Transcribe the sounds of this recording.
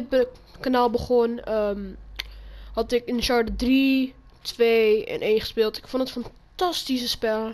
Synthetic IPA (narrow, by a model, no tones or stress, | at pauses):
t̚bəkanalˠbəχɔnəm | hɑtɪkɪnʃɑɹdədri | tʋeɛ̰nʔeːnχə̥spɪːlˠtɪ̥kfondətfɑntɑstis̬əspɛl